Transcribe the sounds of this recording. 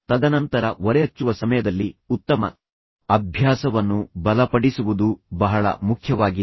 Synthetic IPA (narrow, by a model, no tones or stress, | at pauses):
t̪ɐd̪ɐnɐnt̪ɐɾɐʋɔɾɛɐt͡ʃːuʋɐsɐmɐjɐd̪ɐlːiut̪ːɐmɐ̰ | ɐbʱjaːsɐʋɐnːubɐlɐpɐɽisuʋud̪ubɐɦɐɭɐ̰mukʰjɐʋaːɡi